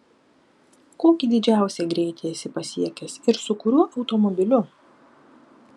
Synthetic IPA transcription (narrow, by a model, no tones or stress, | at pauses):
koːkʲiːd̪ʲɪd͡ʒʲæˑʊsʲɛɡɾʲɛɪt̪ʲeːjɛsʲɪpɐsʲiɛkʲɛsɪɾsʊkʊɾʲuːʔɐʊt̪ɔmɔbʲɪlʲʊ